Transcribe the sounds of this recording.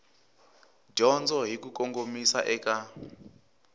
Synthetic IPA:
d͡ʒɔnd͡zɔɦikukoŋɡomisaʔɛka

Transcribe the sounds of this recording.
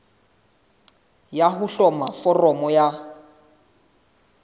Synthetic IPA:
jaɦʊɬɔmafɔrɔmɔja

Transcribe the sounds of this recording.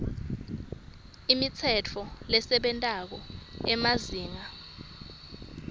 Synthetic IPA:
imit͡sʰɛt͡fʰɔlɛsɛɓɛntʼak̬ɔɛmaziːŋa

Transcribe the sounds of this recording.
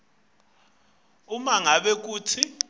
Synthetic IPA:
umaŋaɓɛk̬uːtʰi

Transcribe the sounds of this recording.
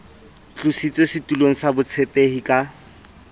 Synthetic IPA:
t͡ɬʼusit͡sʼosɪtʼuloŋ̩sabʊt͡sʰɛpʼehikʼa

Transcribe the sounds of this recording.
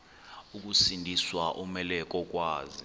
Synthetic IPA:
uk̬usindʱiswaʔumɛlɛk̬ʼɔk̬ʼwaːzi

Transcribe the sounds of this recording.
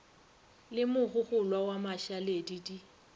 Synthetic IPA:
lɪmʊχʊχʊlwawamaʃaledidi

